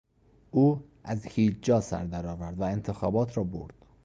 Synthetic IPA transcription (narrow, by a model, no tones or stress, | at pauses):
ʔuː | ʔæzhiːd͡ʒd͡ʒɒːsæ̰ɾd̪æɾɒːvæɾd̪væe̞nt̪ʰe̞xɒːbɒːt̪ʰɾɒːbo̰ɾd̪̥